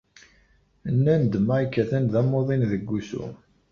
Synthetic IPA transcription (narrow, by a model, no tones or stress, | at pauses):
ənːænd̪maikːæθænðæmoðˤinðəɡʷːusṵ